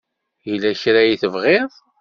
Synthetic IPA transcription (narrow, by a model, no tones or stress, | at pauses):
jəlːæʃɾæjiθəvʁɪðˤ